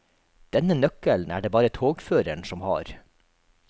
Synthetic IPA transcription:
d̪̥ɛnənœkəln̩æːɖeːbɑːɾət̪ʰoːɡføːɾəɳsɔmhɑ̰ːɾ

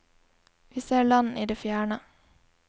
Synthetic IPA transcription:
ʋiːseːɭɑnḭːd̪eːfjæːɳə

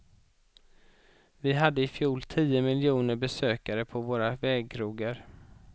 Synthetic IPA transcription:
vɪɦad̪ːəɪfjuːlt̪ʰiːəmɪljuːnəɾbɛsøːkaɾəpʰɔvoːɾavɛːɡ̚kʰɾuːɡəɾ

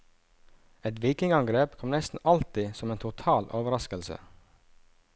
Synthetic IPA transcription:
ɛt̪ʋiːkɪŋɑŋɡɾeːpkʰɔmnɛst̪n̩ɑlt̪ɪsɔmeːnt̪ʰʊt̪ʰɑːlʔoːʋəɾɑskəlsə̰

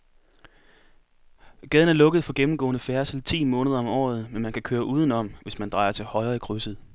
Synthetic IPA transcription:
ɡ̥ɛːð̞ˠn̩æɐlɔ̽ɡ̥ð̩ˠfɒ̽ɡ̥emm̩ɡ̥ɔ̰̽ːnəfæɐsl̩t͡sʰḭːmɔ̽ːnəð̞ˠɐɒ̽mɒ̰ːð̞̩ˠmenmænkʰækʰøːɐʔuːð̞ˠənɒ̽m̰ʋe̝smænd̥ʁɑ̈ɪɐt͡sʰe̝lhɒ̽ɪɐːikʰʁysð̩ˠ

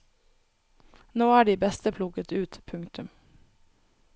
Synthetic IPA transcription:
noːæːɖiːbɛst̪əpʰlʊɡət̪ʉːt̪pʰʉŋt̪ʉm

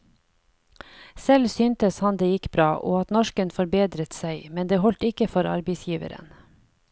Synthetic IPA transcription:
sɛlsyːnt̪əshɑnd̪eːjɪkbɾɑːʔoːɑt̪nɔʃkənfɔɾbeːd̪ɾət̪sæɪmɛnd̪eːhɔlt̪ɪkəfɔɾɑ̰ɾbɛɪsjiːʋə̰ɾə̰n

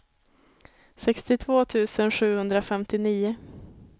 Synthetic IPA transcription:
sɛkst̪ɪt̪ʰvoːt̪ʰʉ̟ːsənɧʉ̟ːhɵnd̪ɾafɛmt̪ɪniːʊ

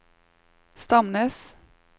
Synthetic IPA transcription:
st̪ɑmnəs

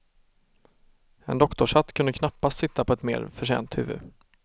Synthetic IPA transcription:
ɛ̰nd̪ɔkt̪ɔʂat̪ːkʰɵnd̪əkʰnapːast̪sɪt̪ʰːapʰɔɛt̪mḛːɾfœʂḛːnt̪hʉ̰ːvɵ̰d̪

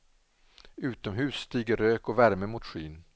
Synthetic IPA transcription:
ʉ̟ːt̪ɔmɦʉ̟ːsːt̪iːɡəɾːøːkɔvæɾməmʊt̪ɧiːn

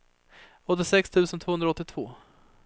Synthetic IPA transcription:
ɔt̪̬ːɪsɛkst̪ʰʉ̟ːsənt̪ʰoːɵnɾaɔt̪ːɪt̪ʰv̥oː

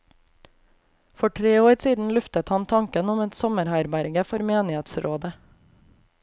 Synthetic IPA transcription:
fɔʈʰɾeːoːɾsiːd̪n̩lʉft̪ət̪hɑnt̪ʰɑŋkənʊmɛt̪sɔməɾhæɪɾbæɾɡəfɔɾmeːnɪheːt̪sɾʔoːd̪ə

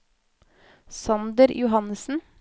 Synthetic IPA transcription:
sɑnd̪əɾjʊhɑnəsn̩

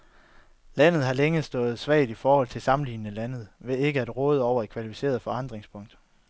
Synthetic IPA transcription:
læn̰ð̞̩ˠɦɑ̈leŋəsd̥ɔ̽ːð̞̩ˠsʋɛ̰ɪd̥ifɒːhɒ̽l̰t͡sʰe̝lsɑ̈mn̩lḭːnənəlæn̰ð̞̩ˠʋe̝e̝ɡ̥əæd̥ʁɔ̽ːð̞ˠɒʊ̰ɐe̥kʰʋælifise̝̰ɐð̞̩ˠfɒ̽ɑ̈n̰d̥ʁeŋspʰɔ̽ŋ̰d̥

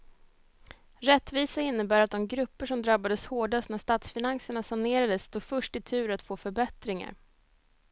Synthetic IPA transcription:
ɾɛt̪ːviːsaɪnːəbæːɾat̪̚d̪ɔmɡɾɵpːəʂɔmd̪ɾabːad̪əshoːɖast̪næʂt̪aːt̪sfɪnansəɳasaneːɾad̪əst̪ʰuːɡfœʂʈɪt̪ʰʉ̟ːɾat̪foːfœɾbɛt̪ɾɪŋa̰ɾ

